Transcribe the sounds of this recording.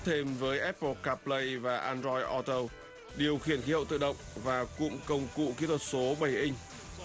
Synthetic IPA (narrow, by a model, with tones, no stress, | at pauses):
t̪ʰe˧mvəː˨˦jʔɛ˦˥pːə˧kaː˦˥plə˧jvaː˨˩ʔaː˧nzɔ˧jʔɔ˧t̪əː˧w | ɗi˨˩əwxi˧˩ənxi˨˦hə̰˧˨wt̪ɨ̰˧˨ɗə̰˧˨wŋ͡mvaː˨˩kʊ̰˧˥ŋ͡mkə˧wŋ͡mkṵ˧˨ki˨˦t̪ʰə˨˩t̚so˨˦ɓə˧˩jʔi˧ŋ̟